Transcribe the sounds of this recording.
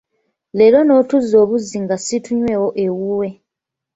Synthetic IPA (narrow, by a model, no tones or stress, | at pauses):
leɾo̞no̞tuzo̞ːβuziŋɡasituɲwe̞ːwo̞ʔewuwe̞